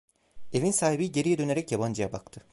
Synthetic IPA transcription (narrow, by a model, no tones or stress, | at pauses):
e̞vinsaːɦibiɟe̞ɾijɛd̪ø̞neɾɛcjaband͡ʒɯjabak̚t̪ʰɯ